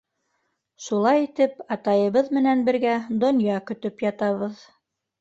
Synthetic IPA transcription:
ʃulˠɑjit̪ɘpɑt̪ɑjɤ̆βɤðmɘ̆nænbɘ̆ɾɡæd̪ŏnjɑkɵ̆t̪ɵpjɑt̪ɑβɤð

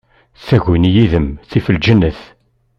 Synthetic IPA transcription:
θæʝinjiðəmθifəld͡ʒənːəθ

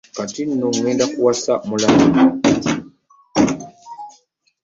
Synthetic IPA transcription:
katin̩nuŋɛndakuwasamulamimɔ

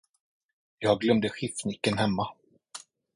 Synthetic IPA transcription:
jɑːɡɡlœmd̪əɧɪfnɪkːənhɛmːa

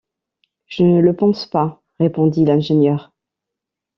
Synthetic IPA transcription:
ʒ̥ənələpɑ̃spa | ʁepɔ̃d̪ilɛ̃ʒenjœːʁ

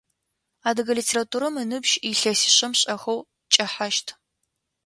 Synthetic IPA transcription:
aːdɨɡɐlitʰeːratʰuːɾɐmɨnɨbʒiɬɐsɪ̥ɕɐmɕʼɐxɐw | t͡ʃʼɐħaʃtʰ

